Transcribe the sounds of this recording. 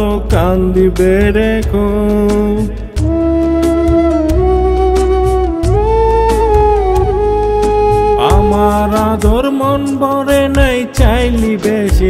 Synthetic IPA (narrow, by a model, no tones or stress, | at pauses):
okand̪ibeɾekʰo | a̰maɾad̪oɾmɔnbɔɾenajt͡ɕajlibeʃi